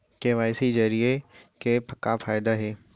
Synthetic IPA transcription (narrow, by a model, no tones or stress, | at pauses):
keʋaːjsid͡ʒɐɾiekepʰɐkːafʰaːjd̪aɦeː